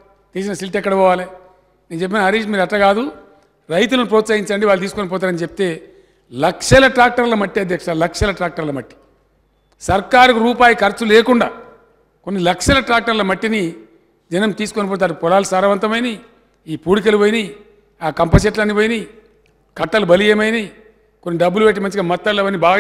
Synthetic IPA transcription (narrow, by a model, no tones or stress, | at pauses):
t̪iːs̬inɐsilʈɛkːɐɽɐpɔːʋaːli | neːnt͡ʃe̞p̬ːinɐɐɾiːʃmiːɾɐʈːɐɡaːd̪u | ɾɐjt̪̬ulɐnupɾɔːt̪sɐːɦiɲt͡ʃɐɳɖiʋaːlːut̪iːsukonip̬ɔːt̪̬aːɾɐnit͡ʃepi̥t̪e̞ː | lɐkʂɐlɐʈɾaːk̚ʈɐɾlɐmɐʈːiɐd̪ʱjɐkʂɐlɐkʂɐlɐʈɾaːk̚ʈɐɾlɐmɐʈːi̥ | sɐɾkaːɾikuɾuːpaːjɐkɐɾt͡ʃːuleːkuɳɖaː | konːilɐkʂɐlɐʈɾaːk̚ʈɐɾlɐmɐʈːini | d͡ʒɐnɐmt̪iːsukonɐp̬ɔːt̪̬ːaɐɾpɔlaːlusaːɾɐʋɐnt̪ɐmɐjni | iːpuːɽik̬ɐluʋoːjini | aːkɐmpɐs̬eʈlɐnːiʋoːjini | kɐʈːɐlubɐlijemɐjni | konːiɖɐbːulupeʈːimɐnt͡ʃiɡamɐt̪ːɐlɐʋɐnːibaː